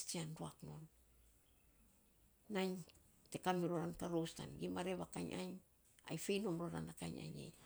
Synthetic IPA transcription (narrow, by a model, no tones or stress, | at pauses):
tianduakno̞n | naɲ | tekamiɾoɾantaɾosta̰nɡimaɾeβakaɲʔa̰ɲ | a̰jfejnomɾoɾa̰nakaɲa̰ɲḛɲ